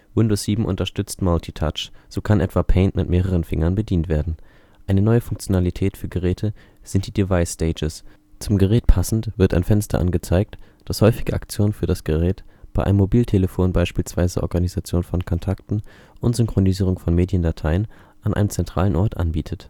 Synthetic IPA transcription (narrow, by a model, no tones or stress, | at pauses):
wʊndoːsz̥iːbm̩ʔʊ̰ntɐʃtʏt͡stmaltʰitʰa̰t͡ʃz̥oːkʰanʔɛtv̥apʰɛɪntmɪtmeːʁ̞əʁ̞ənfɪŋɐnbədiːntv̥eːɐdn̩ | ʔaɪnənɔʏəfʊŋk̚t͡sjonalitʰɛːtfyːɐɡəʁ̞ɛːtʰə | z̥ɪnt̚d̥iːdivaɪsːteɪd͡ʒəs | t͡sʊmɡəʁɛːtpʰasn̩tv̥ɪɐta̰ɪnfɛnstɐ̰ʔa̰nɡət͡saɪk̚t | d̥ashɔʏfɪɡəʔa̰kt͡sjoːnənfyːɐdasɡ̥əʁɛːtb̥aɪʔaɪmːobiːltʰeləfoːnbaɪʃpiːlsv̥aɪzəʔɔ̰ɐɡanizat͡sjoːnfɔnkʰɔntʰaktn̩ | ʔʊntz̥ʏŋkʁ̥oniziːʁʊŋfɔnmeːdjəndatʰaɪən | ʔanʔaɪnəmt͡sɛntʁ̥a̰ːlənʔɔɐtʔa̰nbiːtʰət